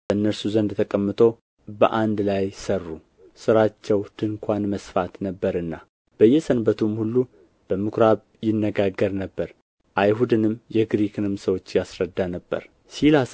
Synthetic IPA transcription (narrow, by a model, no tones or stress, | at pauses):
bənːəɾsuzənd̪t̪ʰəkʼəmːɨt̪ʰo̞ | bə̰ʔand̪lajsərːu | sɨɾat͡ʃːɛwd̪̥ɨŋkʰʷanməsfat̪nəbːəɾɨnːa | b̥əjːɛsənbət̪ʰumhulːu | b̥əmɨkʰɾaβ | jɪnːəɡaɡːəɾnəbːəɾ | ʔajɦud̪ɨnɨmjɛɡɾikʰɨnɨmsəwo̞t͡ʃːjasɾəd̪ːanəbːə̰ɾ | silas